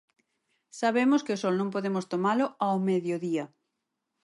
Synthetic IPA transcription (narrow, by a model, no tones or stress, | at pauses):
saβemʊskɪosɔlnõŋpoðemʊst̪omalʊawmeðjoðiɐ